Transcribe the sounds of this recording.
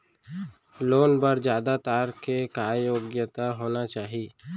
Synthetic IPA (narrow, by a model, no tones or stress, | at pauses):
loːnbəɾd͡ʒjaːd̪at̪aːɾkekaːjoːɡjət̪aɦoːnat͡ʃaːɦiː